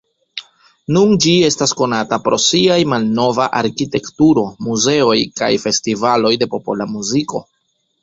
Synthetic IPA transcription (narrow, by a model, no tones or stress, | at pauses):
nund͡ʒie̞stasko̞natapɾo̞̰siajmalno̞vaʔaɾkite̞ktuɾo̞muze̞o̞jka̰jfe̞stivalo̞jde̞po̞po̞̰lamuziko̞̰